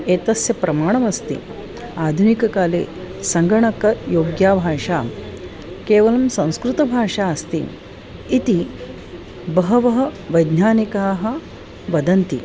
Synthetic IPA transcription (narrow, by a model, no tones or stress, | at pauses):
eːt̪ɐsjɐpɾɐmaːɳɐmɐst̪ḭ | aːd̪ʱunikɐkaːlḛː | sɐŋɡɐɳɐkɐjoːɡjaːbʱaːʂaː | keːʋɐlɐmsɐ̃w̃skɾut̪ɐbʱaːʂaːɐst̪ḭː | t̪i | bɐɦɐʋɐɦɐʋɐjd̪naːnikaːɦɐ̆ | ʋɐd̪ɐnt̪ḭ